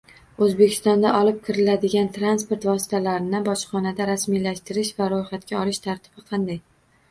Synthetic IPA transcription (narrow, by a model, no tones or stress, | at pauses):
ɵzbekʲʰɪ̥st̪ɒnd̪aʔɒlɪp̚kʰʲɪɾɪlad̪ɪɡʲant̪ʰɾanspoɾt̪vɒsɪ̥t̪ʰalaɾɪnɪbɒʃχɒnad̪aɾasmijlaʃt̪ɪɾɪʃvaɾojχat̪̚kʲaɒlˠɪʃt̪ʰaɾt̪ʰɪ̥b̥ɪqʰɑnd̪aj